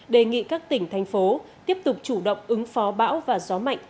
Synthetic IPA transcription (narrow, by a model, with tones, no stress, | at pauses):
ɗe˨˩ŋḭ˧˨kaː˦˥k̚t̪ï˧˩ŋ̟t̪ʰa˨jŋ̟fo˨˦t̪i˦˥əp̚t̪ʊ˨˩k͡p̚t͡ɕu˧˩ɗə̰˧˨wŋ͡mʔɨ˨˦ŋfɔ˨˦ɓa̰ː˧˥wvaː˨˩zɔ˨˦ma̰˧˨jŋ̟